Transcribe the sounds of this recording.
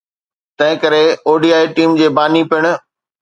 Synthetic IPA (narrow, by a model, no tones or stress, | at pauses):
t̪ɐ̃ɦɪ̃kɐɾeoːɖiːaːiʈiːmd͡ʑeːbaːnipɪɽ̃ʊ̆